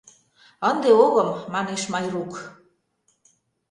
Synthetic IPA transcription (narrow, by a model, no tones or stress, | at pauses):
ənd̪eoɣəmːɑneʃmɑjruk